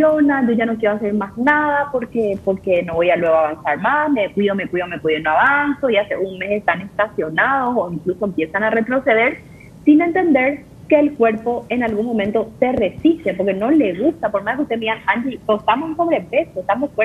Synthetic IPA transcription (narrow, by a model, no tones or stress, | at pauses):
jonad͡ʒoʝanokjeɾoaseɾmasnaðapo̞ɾke̞poɾke̞no̞βojalwe̞ɣoaβansaɾmasmekwiðomekwiðomekwiðonoaβanso̞iase̞̰ʔunme̞sest̪ane̞st̪asjo̞naðo̞soiŋklusoempje̞sanare̞t̪ɾo̞se̞ðe̞ɾ | sinẽ̞nt̪e̞nd̪e̞ɾ | ke̞ːlkwe̞ɾpo̞enalɣunmõmẽnt̪o̞se̞re̞sist̪ep̬o̞ɾke̞no̞le̞ɣust̪apo̞ɾmaðkeust̪emianhand͡ʒiost̪amosːo̞βɾepe̞soest̪amoweɾ